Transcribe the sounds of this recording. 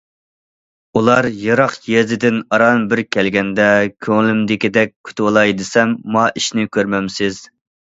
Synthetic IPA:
ulˠɑɾjɑɾɑqjezɪd̪ɪnɑɾɑnbɪɾkʲʰɛlɡʲɛnd̪ɛkʲʰøŋlymd̪ɪkʲid̪ɛk̚ʲkʲʰy̥t̪ʰwolˠɑjd̪ɪsɛmːɑʔiʃnɪkʲʰøɾmɛmsɪz̥

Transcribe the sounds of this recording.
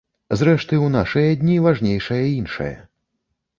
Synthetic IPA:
zɾɛʂt̪ɨwn̪aʂɨjɐd̪ʲnʲivaʐnʲejʂɐjɐinʂɐ̰jɐ̰

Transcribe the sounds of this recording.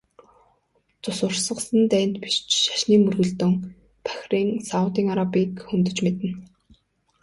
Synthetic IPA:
t͡sʊsʊrsə̆qsə̆nt̪æːn̥t̪pi̥ʃt͡ɕʃḁʃniːmɵrɣɵ̆ɮt̪ɵ̆ŋ | pʰæ̥xʲriːŋsawt̪iːŋaɾapiːkxɵnt̪ɵ̆t͡ɕmet̪ɘ̆n

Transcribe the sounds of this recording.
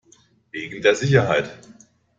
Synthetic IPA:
veːɡŋ̩deːɐzɪç̬ɐɦaɪt

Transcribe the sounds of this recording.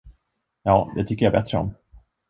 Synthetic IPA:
jɑːd̪ɛt̪ʰʏkːəjabɛt̪ɾəɔ̰m

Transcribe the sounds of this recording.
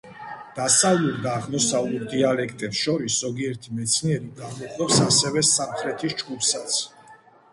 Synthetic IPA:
d̪̥asavlˠuɾd̪aːʁmɔsavlˠuɾd̪ialɛkʰt̪ʼɛpsʃɔɾiszɔɡiɛɾt̪ʰimɛt̪sʰniɛɾiɡamɔχʼwɛpsasɛvɛsamχɾɛt̪ʰisd͡ʒɡupsat̪sʰ

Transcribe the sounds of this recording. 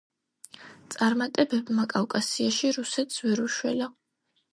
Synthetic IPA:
t̪sʼaɾmat̪ʼɛbɛbmakʼawkʼasiaʃiɾusɛt̪ʰsvɛɾuʃwɛla

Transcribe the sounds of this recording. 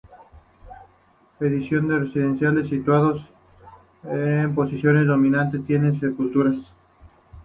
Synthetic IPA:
eðisjo̞nd̪eresiðe̞nsjale̞sːit̪waðo̞s | empo̞sisjo̞nezðo̞mĩnãnt̪e̞st̪je̞nensepult̪uɾas

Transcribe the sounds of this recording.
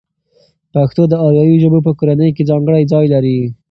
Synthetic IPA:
paxt̪od̪əɑɾjɑjiʒəbop̬əkoɾanəjked͡zɑŋɡəɽajd͡zɑjlaɾi

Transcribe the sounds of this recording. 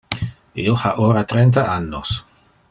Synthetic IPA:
iohaʔoːɾat̪ɾɛnt̪̬aʔanːos

